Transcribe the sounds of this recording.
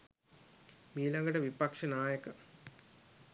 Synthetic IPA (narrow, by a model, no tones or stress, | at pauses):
miːlɐŋɡɐɽeʋipɐkʂɐnaːjɐkːɐ